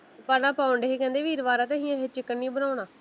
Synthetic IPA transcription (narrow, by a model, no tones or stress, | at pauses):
pəɾnãːpaːʊəɳɖeiːkɛ̃ːnd̪eːʋiːɾʋaːɾaːt̪ẽːɦĩːəɦeːt͡ʃɪkːənːĩːbənaːʊɳaː